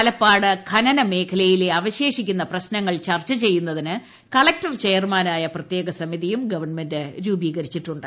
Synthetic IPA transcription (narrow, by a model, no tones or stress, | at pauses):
ɐlɐpːaːɽɨkʰɐnɐnɐme̞ːkʰɐlɐjile̞ɐʋɐɕe̞ːʂikʲːunːɐprɐɕnɐŋːɐɭt͡ɕɐrt͡ɕːɐt͡ɕe̞jːunːɐðinɨ | kɐɭɐk̚tɐrt͡ɕejɐrmaːnaːjɐprɐt̪je̞ːɡɐsɐmiðijumɡɐʋɐrɳme̞ndɨɾuːbiːɣɐɾit͡ɕːiʈːuɳɖɨ